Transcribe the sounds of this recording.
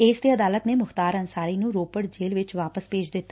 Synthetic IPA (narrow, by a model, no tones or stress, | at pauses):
eːsd̪eːəd̪aːlət̪neːmʊxt̪aːɾənsaːɾiːnũːɾoːpəɽd͡ʒeːlʋɪt͡ʃʋaːpəspeːd͡ʒd̪ɪt̪ːa